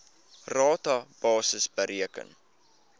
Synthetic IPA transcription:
rɑːtɑb̥ɑːsəsbəɾiəkə̰n

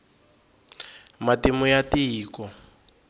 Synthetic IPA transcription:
matimʊjatiːkɔ

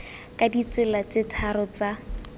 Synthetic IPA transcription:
kʼadit͡sɪlat͡sɪtʰaɾɔt͡sa

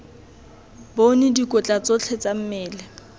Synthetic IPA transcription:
bonɪdikʼʊt͡ɬʼat͡sʼot͡ɬʰɛt͡sam̩mɪːlɛ

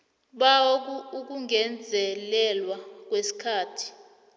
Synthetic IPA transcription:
ɓak̬uuk̬uŋɛnd͡zʱɛlɛlwak̬wesi̥kʰaːtʰi̥

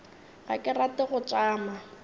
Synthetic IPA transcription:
ɣa̰kʼɪratɪɣʊt͡ʃʼaːma

